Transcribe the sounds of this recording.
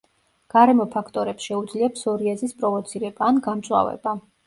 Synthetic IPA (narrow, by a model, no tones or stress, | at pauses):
ɡ̥aɾɛmɔpʰakʰt̪ʼɔɾɛpsʃɛud̪zliapʰsɔɾiɛzispʼɾɔvɔt̪sʰiɾɛbaːnɡamt̪sʼwa̰vɛ̰ba